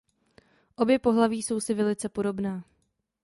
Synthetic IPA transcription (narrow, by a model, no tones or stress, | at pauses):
ʔo̞bjɛpo̞ɦlaviːso̞wsɪvɛlɪt͡sɛpo̞ɾo̞bnaː